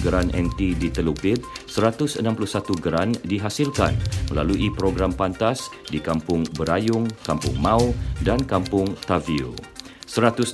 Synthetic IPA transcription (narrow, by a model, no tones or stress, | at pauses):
ɡəɾanʔɛ̰̃nt̪idit̪əlupɪt̪̚səɾat̪ʊsənãmpulʊhsat̪uɡəɾandiɦasilka̰nməla̰luʔipɾoɡɾampant̪asdikampʊŋbəɾajʊŋkampʊ̰ŋmãudankampʊŋt̪aviṵ | səɾat̪ʊs